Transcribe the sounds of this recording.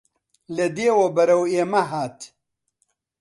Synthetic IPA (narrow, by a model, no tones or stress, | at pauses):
lɐd̪eːwobɐɾɐweːmɐɦaːt̪